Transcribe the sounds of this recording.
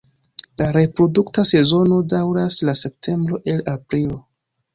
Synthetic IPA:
laɾe̞pɾo̞duktase̞zo̞no̞dawɾaslase̞p̚tʰe̞mbɾo̞ʔe̞lapɾilo̞

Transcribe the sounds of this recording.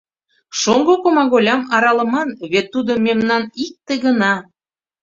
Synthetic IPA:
ʃoŋɡokomɑɣolʲɑmɑɾɑlə̆mɑnβet̪ːud̪omemnɑnik̚t̪eɡənɑ

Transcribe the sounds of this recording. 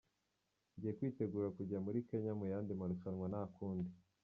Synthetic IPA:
ɲɟije̞kwiːte̞ɡuːɾakuɟamuɾike̞ɲamujaːndimaɾuʃanwanaːkʰuːndi

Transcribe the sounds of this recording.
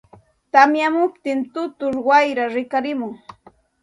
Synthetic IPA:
t̪amjamʊpt̪ɪnt̪ʊt̪ʊɾwajɾaɾɪkaɾɪmʊŋ

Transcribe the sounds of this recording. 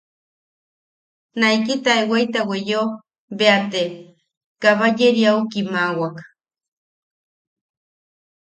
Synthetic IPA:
najkit̪aewajt̪awejo | beat̪e | kaβajeɾiaukimawak

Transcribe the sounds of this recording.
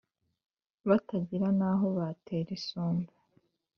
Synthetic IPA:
βataɟiɾanaɦo̞βatʰeːɾisoːnba

